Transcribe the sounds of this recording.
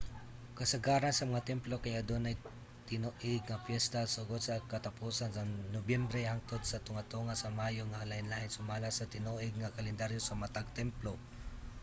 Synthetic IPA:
kɐsɐɡaːɾɐnsɐmɐŋat̪ɛmplokɐjɐd̪onɐj | t̪ɪnoʔɪɡ̚ŋɐpjɛst̪asʊɡod̪̚sɐkɐt̪ɐpuːsansɐŋnobjɛmbɾɛhaŋt̪od̪̚sɐt̪ʊŋat̪oŋasɐmaːjoŋalɐɪnlahɪnsʊmaːlasɐt̪ɪnuʔɪɡ̚ŋɐkɐlɛnd̪aɾjosɐmɐt̪aɡ̚t̪ɛmplo

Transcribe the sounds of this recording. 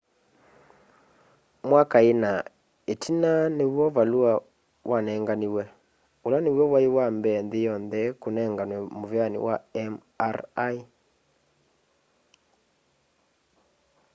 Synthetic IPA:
mwakaena | etʰinanewwɔvalwa | wanɛːŋɡaniwɛ | olanewɔwaiwambɛnðejɔnðɛkonɛːŋɡanwɛmovjanḭwaɛm | aɾai

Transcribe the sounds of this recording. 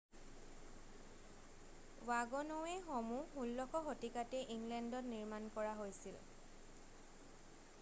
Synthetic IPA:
waɡɔnɔwɛxomuxulːɔkʰɔxotikatɛʔiŋɡlɛndɔtniɹmankɔɹaɦojsil

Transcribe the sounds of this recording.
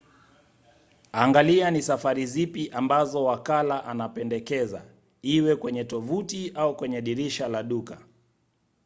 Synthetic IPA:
aːŋɡalianisafaɾizipiʔambazɔwakalaʔanapɛndɛkɛza̰ | iwɛkwɛɲɛtɔvutiaukwɛɲɛɗiɾiʃalaɗuka

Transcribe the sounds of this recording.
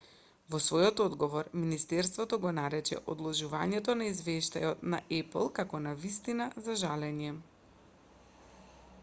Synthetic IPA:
vɔsvɔjɔt̪ɔd̪ɡɔvɔɾminist̪ɛɾst̪vɔt̪ɔɡɔnaɾɛt͡ʃɛ̰ʔɔd̪lˠɔʒuvaɲɛt̪ɔnaizvɛʃt̪a̰jɔt̪naʔɛplˠkakɔnavist̪inazaʒalɛɲɛ

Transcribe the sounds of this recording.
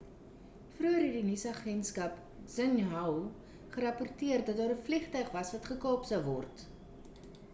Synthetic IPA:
fruəɾɛdinisəɐχɛntskɐp | z̥ənɦɐw | χəɾɐpɔrtiərdɐt̚dɑːɾəfliχtœɥχvɐsvɐtχəkɑːpsəwvɔrt

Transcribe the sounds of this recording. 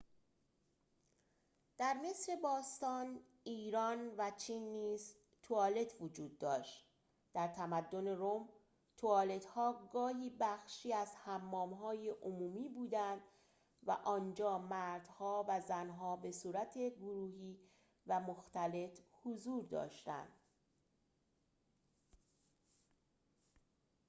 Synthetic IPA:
d̪̥æɾme̞sɾe̞bɒːst̪ɒːn | iːɾɒːnvæt͡ʃʰiːnːiːz | t̪ʰoɒːle̞t̪ʰvod͡ʒuːd̪̚ːɒːʃt̪ | d̪̥æɾt̪ʰæmæd̪ːo̞ne̞ɾom | t̪ʰoɒːle̞t̪hɒːɡɒːɦiːbæxʃiːæzhæmːɒːmɦɒːjeʔomuːmiːbuːd̪ænd̪ | væ̰ʔɒːnd͡ʒɒːmæɾd̪̥hɒːvæzænɦɒːbe̞suːɾæt̪ʰe̞ɡoɾuːɦiː | væmoxt̪æle̞t̪hozuːɾd̪ɒ̰ːʃt̪æ̰nd̪

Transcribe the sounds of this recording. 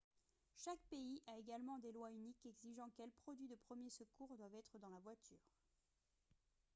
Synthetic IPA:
ʃakpeiʔaeɡalmɑ̃d̪elwaynikɛɡziʒɑ̃kɛlpχɔd̪ɥid̪əpχəmjesəkuːʁd̪wavɛt̪χəd̪ɑ̃lavwat̪ʰyːʁ

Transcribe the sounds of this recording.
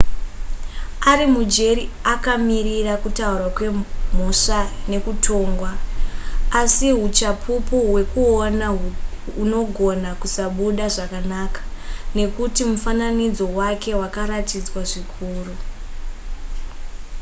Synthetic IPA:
aɾimud͡ʒe̞ɾiakamirirakutaurwakwe̞m̤oʂane̞kutʰo̞ːŋɡwaː | siɦut͡ʃapʰupuwe̞kuonauno̞ɡʱo̞nakusaɓuɗaʐakanakḁne̞kutimufananid͡zo̞wake̞ɦwakaɾatid͡zwaʐikʰuːru

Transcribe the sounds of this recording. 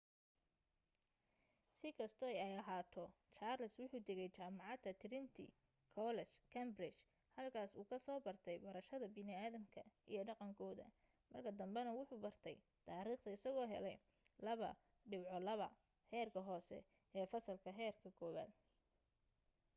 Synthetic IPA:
sɪkʰɐst̪ʰɔɛjɛjɐɦaːt̪ʰɔ | t͡ʃaːrlɪswʊħuːd̪ɛɣɛjt͡ʃaːmɑʕɑd̪ɐt̪ʰɪɾɪnt̪ʰɪ̰ | kʰɔlɛt͡ʃkʰɛmbɾɪt͡ʃ | hɐlkʰaːsuːkʰɐsɔːbɐrt̪ʰɛjbɐɾɐʃɐðɐbɪnɪaːðɐmkʰɐ̰ʔijɞɖɑqɑŋkʰɔːðɐ̰ | mɐrkʰɐd̪ɐmbɛnɐwʊħuːbɐrt̪ʰɛ̰j | t̪ʰaːɾiːχt̪ʰɐɪsɐɣɔːɦɛ̰lɛ̰j | lɐβɐ̰ | ɖɪbʕɔlɐβɐ̰ | hɛːrkʰɐɦɔːsɛ̰ | ʔɛːfɐsɐlkʰɐɦɛːrkʰɐkʰɔːβa̰ːd̪

